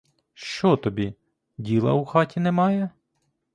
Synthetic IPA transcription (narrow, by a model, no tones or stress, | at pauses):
ʃt͡ʃɔt̪ɔbʲi | dʲilˠɐ̰uxɑtʲinɛmɑjɛ